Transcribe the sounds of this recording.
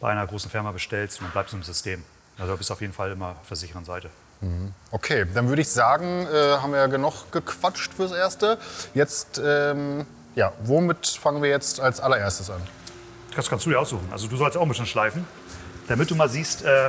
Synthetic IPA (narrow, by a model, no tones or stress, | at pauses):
b̥aɪʔaɪnɐɡʁoːsn̩fɪɐmabəʃtɛlstndanblaɪp̚tzonɪmzʏstʰeːm | ʔalzodaːbɪstaʊjeːdn̩falɪmɐfɛɐzɪçəʁənzaɪtə | m̩hm̩ʔokʰeːd̥anvʏɐɾəɪçz̥aːɡŋ̩ʔɛːhaːmviːɐjaɡənʊχɡ̥əkv̥at͡ʃtfyːɐsʔeːɐstəjɛt͡stʔɛːm | jaːvomɪtfaŋənviːɐjɛt͡stalsʔalɐʔeːɐstəsʔanʰ | askʰanstd̥uːdiɐʊsz̥uːxn̩a̰lzoduːzɔlstaʊn̩bɪsənʃlaɪfn̩ | d̥amɪt̚d̥uːmaːlziːstʔɛː